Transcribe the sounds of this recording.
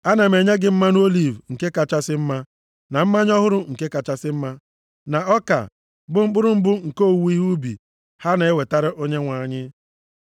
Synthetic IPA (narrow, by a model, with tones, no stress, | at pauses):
a˦na˨me˨ɲe˦ɡɪ˦m̩˦ma˦n˦o˦li˨vŋ̩˨ke˦ka˨t͡ʃa˦sɪ˦m̩˦ma˦ | na˨m̩˦ma˦ɲ˦ɔ˦ɦʊ˦ɾʊ˦ŋ̩˨ke˦ka˨t͡ʃa˦sɪ˦m̩˦ma˦ | na˨ɔ˦ka̰˨ | bʊ˦m̩˦bʊ˦ɾʊ˦m̩˦bʊ˦ŋ̩˨ko˦˨wu˦i˦ɦu˦bḭ˨ | ha˦na˨e˦we˨ta˦ɾɪ˦ʔo˦ɲe˦ŋʷa˨ɲɪ˦